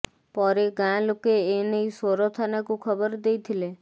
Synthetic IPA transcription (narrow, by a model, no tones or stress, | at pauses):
pɔɾeɡãlokeːnəisoɾot̪ʰanakũkʰəbəɾd̪eit̪ʰile